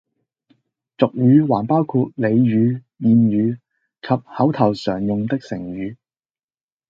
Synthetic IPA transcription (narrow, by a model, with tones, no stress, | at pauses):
t͡sʊ˨k̚jyː˨˧waː˨˩npaː˥wkʰuː˧t̚le˨˧jɥyː˨˧ | jiː˨˧njyː˨˧ | kʰɐ˨p̚hɐ˨˥wt̪ʰɐ˨˩wsœː˨˩ŋjʊ˨ŋt̪ɪ˥k̚sɪ˨˩ŋɥyː˨˧